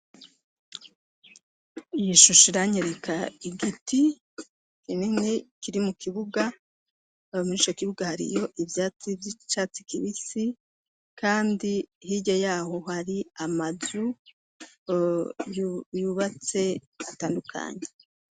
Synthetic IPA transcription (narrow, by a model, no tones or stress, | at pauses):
ijiʃuʃiɾaɲeɾekʰaiɡiti | kinimŋekiɾimukiβuɡa | muɾit͡ʃokiβuɡahaɾḭjo̞ʔivjaːt͡sivit͡ʃaːt͡si̥kiβisi | kaːndihiɟajaːho̞haɾiamazu | jjuːβat͡se̞ | ataːndukʰa̰ːɲe